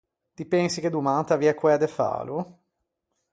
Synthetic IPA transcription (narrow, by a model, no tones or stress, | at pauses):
t̪ipɛnsik̟ed̪umaːt̪aviɛkːwɛad̪efa̰ːlu